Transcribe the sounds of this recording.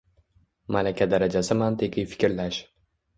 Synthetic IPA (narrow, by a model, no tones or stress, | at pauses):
malakʲʰad̪aɾad͡ʒasɪmant̪ʰekʲɪjfɪ̥kʲɾlaʃ